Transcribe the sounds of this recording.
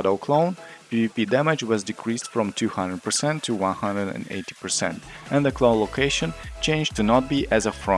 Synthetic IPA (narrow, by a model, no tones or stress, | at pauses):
doʊkʰlõʊ̃npipipidæmɪd͡ʒwʌzdɨkʰɹistfɹɔ̃mtʰʉhʌ̃ndɹəd̚pə˞sɛ̃ntʰːɨwʌ̃nhʌ̃ndɹədɨ̰̃nḛɪti̥pə˞sɛ̰̃ntʔɨ̃nðɨkʰlõʊ̃nloʊkʰeɪʃɨ̃nt͡ʃẽɪ̃nd͡ʒtɨnɔt̚biʔɨzəfɹɔ̃